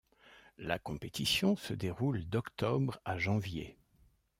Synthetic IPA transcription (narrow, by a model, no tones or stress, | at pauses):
la̰kɔ̃pet̪ʰisjɔ̃səd̪eʁuld̪ɔkt̪ɔbʁaʒɑ̃vjḛ